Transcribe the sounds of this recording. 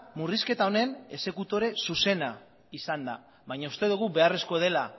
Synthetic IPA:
muriske̞t̪ao̞ne̞ne̞se̞kut̪o̞ɾe̞suse̞na | isand̪a̰ | βaɲaust̪e̞ðuɣ̞ube̞are̞sko̞ð̞e̞la

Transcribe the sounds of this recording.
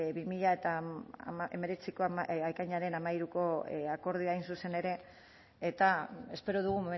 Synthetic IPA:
βimiʎae̞t̪a | eme̞ɾe̞t͡siko̞ajkajɲaɾe̞namaiɾuko̞ako̞ɾð̞iajnsuse̞ne̞ɾe̞ː | t̪ae̞spe̞ɾoð̞uɣ̞umome

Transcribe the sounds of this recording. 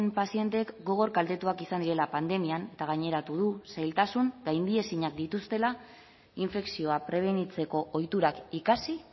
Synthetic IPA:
mpasie̞nt̪e̞kɡo̞ɣ̞o̞ɾkald̪e̞t̪uakisand̪iɾe̞lapand̪e̞miane̞t̪aɣ̞aɲe̞ɾat̪uð̞usajlt̪asuŋɡajnd̪ie̞siɲak̚d̪it̪ust̪e̞la | iɱfe̞ksio̞apɾe̞β̞e̞nit͡se̞ko̞ʔːjt̪uɾakikasi

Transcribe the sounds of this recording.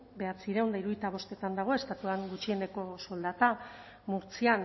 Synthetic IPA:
be̞at͡siɾeond̪aiɾujt̪aβ̞o̞st̪e̞t̪and̪aɣ̞o̞e̞st̪at̪uaŋɡut͡ʃie̞ne̞ko̞so̞ld̪at̪a | muɾt͡sian

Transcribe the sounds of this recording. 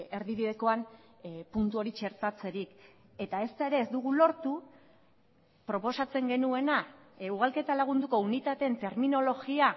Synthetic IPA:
e̞ɾðiβiðe̞ko̞an | punt̪uo̞ɾit͡ʃe̞ɾt̪at͡se̞ɾik | e̞t̪ae̞st̪ae̞ɾe̞ːzd̪uɣulo̞ɾt̪u | pɾo̞po̞sat͡se̞ŋɡe̞nue̞nauɣ̞alke̞t̪alaɣ̞und̪uko̞unit̪at̪eent̪e̞ɾmino̞lo̞ɣia

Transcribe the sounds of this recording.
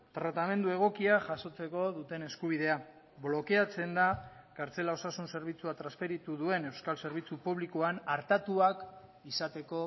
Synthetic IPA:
t̪ɾat̪ame̞nd̪ue̞ɣ̞o̞kiaʝaso̞t͡se̞ko̞ðut̪e̞ne̞skuβ̞iðe̞a | βlo̞ke̞at͡se̞nd̪a | kaɾt͡se̞lao̞sasunse̞ɾβ̞it͡suat̪ɾaspeɾit̪uðue̞ne̞wskalse̞ɾβ̞it͡supuβ̞likoanaɾt̪at̪uak | isat̪e̞ko̞

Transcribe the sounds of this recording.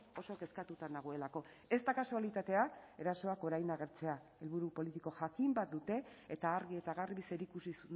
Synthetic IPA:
o̞so̞ke̞skat̪ut̪and̪aɣ̞oe̞lako̞ | e̞st̪akasualit̪at̪e̞ae̞ɾaso̞ako̞ɾajnaɣ̞e̞ɾt͡se̞a | e̞lβuɾupo̞lit̪iko̞ʝakimbat̪̚d̪ut̪e̞ːt̪aːɾɣie̞t̪aɣarβise̞ɾikusisu

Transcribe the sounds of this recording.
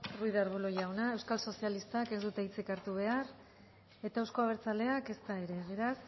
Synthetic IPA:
ruiðaɾβuloʝawnae̞wskalso̞sialist̪ake̞zd̪ut̪eit͡sikaɾt̪uβ̞e̞ar | e̞t̪aewskoaβ̞e̞ɾt͡sale̞ake̞st̪ae̞ɾe̞βe̞ɾas

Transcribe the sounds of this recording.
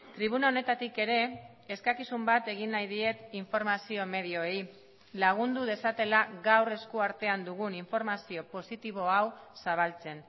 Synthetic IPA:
t̪ɾiβ̞unaone̞t̪at̪ike̞ɾe̞ː | skakisumbat̪e̞ɣ̞inːajðie̞t̪iɱfo̞ɾmasio̞me̞ð̞io̞ej | laɣ̞und̪uð̞e̞sat̪e̞laɣawre̞skuaɾt̪e̞and̪uɣ̞uniɱfo̞ɾmasio̞po̞sit̪iβ̞o̞awsaβ̞alt͡se̞n

